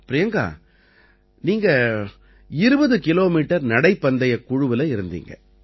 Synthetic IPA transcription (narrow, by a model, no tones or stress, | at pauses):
pːɾɪjɐŋɡa̰ː | niːŋɡɐ | ɪɾɯbɐðɯkɪloːmiːʈːɐɾnɐɽɐɪpːɐnd̪ɐjɐkʊɻʊʋɪlɐɪɾɯnd̪ḭːŋɡɐ̰